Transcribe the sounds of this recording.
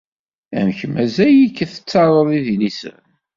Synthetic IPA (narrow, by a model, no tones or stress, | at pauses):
æ̰mçəmæzæjikːθə̥t͡sːɑɾˤəðˤiðinisə̰ɾ